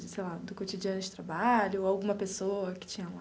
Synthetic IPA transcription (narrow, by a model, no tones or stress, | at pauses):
sejlad̪ʊkot͡ʃid͡ʒiɐ̃nʊd͡ʒɪt̪ɾabaʎʊawɡũmɐpesoɐkɪ̥t͡ʃĩɲɐũ